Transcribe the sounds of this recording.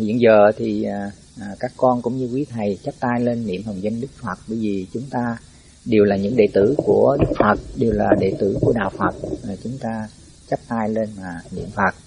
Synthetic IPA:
hḭ˧˨ənzəː˨˩t̪ʰiː˨˩˨ | ʔːkaː˦˥kːɔ˧nkʊ̰˧˥ŋ͡mɲɨ˧kwi˨˦t̪ʰa˨˩jt͡ɕə˦˥p̚t̪aː˧jle˧nːḭ˧˨əmhə˨˩wzə˧nɗɨ˦˥k̚fə˨˩t̚ɓəː˧˦jvi˨˩t͡ɕʊ˨˦ŋ͡mt̪aː˧ | ɗe˨˩wlaː˨˩ɲɨ̰˧˥ŋɗḛ˧˨t̪ɨ̰˧˩ku˧˩əɗɨ˦˥k̚fə˨˩t̚ɗe˨˩wlaː˨˩ɗḛ˧˨t̪ɨ̰˧˩ku˧˩əɗa̰ː˧˨wfə˨˩t̚ʔːt͡ɕʊ˨˦ŋ͡mt̪aː˧ | t͡ɕə˦˥p̚t̪aː˧jle˧nmaː˨˩nḭ˧˨əmfə˨˩t̚

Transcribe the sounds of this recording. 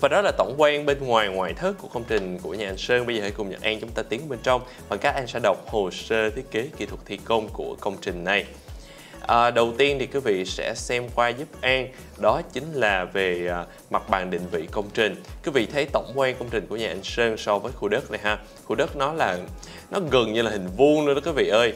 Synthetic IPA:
vaː˨˩ɗɔ˨˦laː˨˩t̪ə˧˩wŋ͡mkwɛ˧nɓe˧nŋwaː˨˩jŋwaː˨˩jt̪ʰɨ˦˥kːu˧˩əkə˧wŋ͡mt͡ɕï˨˩ŋ̟ku˧˩əɲaː˨˩a˧jŋ̟səː˧nɓə˧jzəː˨˩a˧˩kʊ˨˩ŋ͡mɲə̰˨˩k̚ʔaː˧nt͡ɕʊ˨˦ŋ͡mt̪aː˧t̪i˨˦˨ɓe˧nt͡ɕɔ˧wŋ͡m | vaː˨˩kaː˦˥k̚ʔa˧nsɛ̰˧˥ɗə˨˩wk͡p̚ho˨˩səː˧t̪ʰi˨˦˥ət̚ke˨˦ki˧t̪ʰwə˨˩k̚t̪ʰi˧˨ko˧mku˧˩əkə˧wŋ͡mt͡ɕï˨˩ŋ̟na˨˩j | ʔəː˨˩ɗə˨˩wt̪i˧ənt̪ʰi˨˩kui˨˦vḭ˧˨sɛ̰˧˥sɛ˧mkwaː˧zu˦˥p̚ʔaː˧n | ɗɔ˨˦t͡ɕï˨˦ŋ̟laː˨˩veː˨˩˨ | ma˨˩t̚ɓaː˨˩nɗḭ̈˧˨ŋ̟vḭ˧˨kə˧wŋ͡mt͡ɕï˨˩ŋ̟ku˨˦vḭ˧˨t̪ʰə˨˦jt̪ə̰˧˩wŋ͡mkwɛː˧nkə˧wŋ͡mt͡ɕï̟˨˩ku˧˩əɲaː˨ʔa˧˩ŋ̟səː˧ŋsɔ˧vəː˨˦jxu˧ɗə˦˥t̚na˨˩jɦaː˧ | xu˧ɗə˦˥t̚nɔ˨˦laː˨˩ | nɔ˨˦ɣə˨˩nɲɨ˧laː˨˩hï˨˩ŋ̟vu˧nlɨ˧˥ɗɔ˨˦ku˨˦vḭ˧˨ʔəː˧j

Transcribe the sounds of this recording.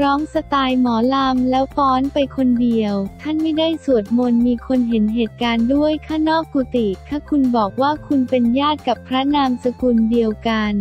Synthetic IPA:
ɾɔː˦˥ŋsa˧t̪aː˧jmɔː˩˦la˧mlɛː˦˥wpɔː˦˥npa˧jkʰo˧ndi˧əwt̪ʰa˥˩nma˥˩jda˥˩jsu˨˩ət̪̚mo˧nmiː˧kʰo˧nɦe˩˦nɦeː˨˩t̪̚kaː˧ndu˥˩əjkʰaː˥˩nɔː˥˩kːuː˧t̪i˨˩kʰaː˥˩kʰu˧nbɔː˨˩k̚waː˥˩kʰu˧npe˧njaː˥˩t̪̚ka˨˩pʰɾa˦˥naː˧msa˧ku˧ndi˧əwka˧n

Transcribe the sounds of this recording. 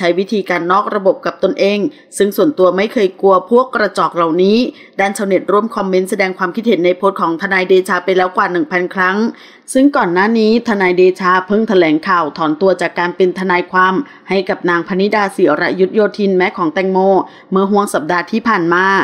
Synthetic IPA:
t͡ɕʰa˦˥jwi˦˥t̪ʰiː˧kaː˧nːɔː˥˩k̚ɾa˧bo˨˩p̚ka˨˩p̚t̪o˧nʔeː˧ŋ | sɯ˥˩ŋsu˨˩ənt̪u˧ɐma˥˩jkʰɤː˧jku˧əpʰu˥˩əkːɾa˧t͡ɕɔː˨˩k̚la˨˩wniː˦˥ | daː˥˩nt͡ɕʰa˧wne˨˩t̪̚ɾu˥˩əmkʰɔ˧mːe˦˧˥nsa˧dɛː˧ŋkʰwaː˧mkʰi˦˥t̪̚he˩˦nːa˧jpʰo˦˥t̪̚kʰɔː˩˦ŋt̪ʰa˧naː˧jdeː˧t͡ɕʰaː˧pa˧jlɛː˦˥wkwaː˨˩nɯ˨˩ŋpʰa˧nkʰɾa˦˥ŋ | sɯ˥˩ŋkɔː˨˩nːaː˥˩niː˦˥t̪ʰa˧naː˧jdeː˧t͡ɕʰaː˧pʰɤ˥˩ŋt̪ʰa˧lɛː˩˦ŋkʰaː˨˩wt̪ʰɔː˩˦nt̪u˧ɐt͡ɕaː˨˩kːaː˧npe˧nt̪ʰa˧naː˧jkʰwaː˧m | ha˥˩jka˨˩p̚naː˧ŋpʰa˧ni˦˥daː˧si˨˩˦ɾa̰˦˥ju˦˥t̪̚joː˧t̪ʰi˧nmɛː˦˥kʰɔː˩˦ŋt̪ɛ˧ŋmoː˧ | mɯ˧˥˩əɦu˧˥˩əŋsa˨˩p̚daː˧t̪ʰiː˥˩pʰaː˨˩nmaː˧

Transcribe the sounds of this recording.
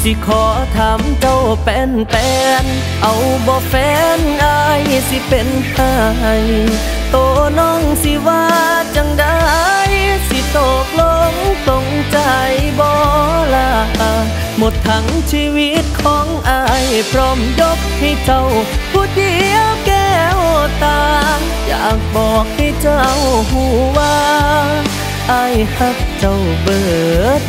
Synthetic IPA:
si˧˩kʰɔː˨˦t̪ʰa˨˧˦mt͡ɕa˧˩wpɛː˧np̪ɛː˧n | ʔa˨˩wbɔː˧fɛː˧˦nʔa˧jsi˧˦pe˧npʰaː˧˩˧j | t̪oː˧˩nɔː˧˩˨ŋsi˧waː˧t͡ɕa˧ŋda˧jsi˧t̪oː˨˩k̚lo˧ŋt̪o˧ŋ | t͡ɕa˧jbɔː˧laː˧˩ha˧˥ | mo˧˩t̪ʰːa˦˥ŋt͡ɕʰiː˧wi˧˥t̪̚kʰɔː˨˦ŋʔa˧jpʰɾɔː˧˥mjo˧˥p̚ha˧˩jt͡ɕa˧wpʰuː˧˩di˧˦ə˧wkɛː˧˩wt̪aː˧ŋ | jaː˨˩k̚bɔː˨˩k̚ha˧˩jt͡ɕa˧˩wɦuː˧˩waː˧ | ʔa˧jha˧˩k̚t͡ɕa˧˩w | bɤː˨˩t̪̚

